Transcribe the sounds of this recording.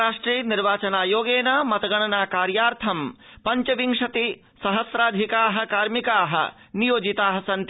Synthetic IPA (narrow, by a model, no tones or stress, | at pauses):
aːʂʈɾiːniɾʋaːt͡ʃɐnaːjoːɡeːnamɐt̪ɐɡɐɳ̃ɐnaːkaːɾjaːɾt̪ʰɐmpɐɲt͡ʃɐʋiŋʂɐt̪i | sɐɦɐsɾaːd̪ʱikaːɦɐ̆kaːɾmikaːɦɐ̰nijoːd͡ʒit̪aːɦɐsɐnt̪